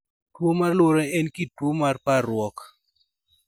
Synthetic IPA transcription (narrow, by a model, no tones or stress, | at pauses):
twomarloɾɛɛnkitwomarpaɾwɔk